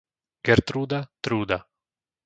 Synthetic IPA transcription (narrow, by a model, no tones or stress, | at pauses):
ɡɛɾt̪ɾud̪at̪ɾuːd̪a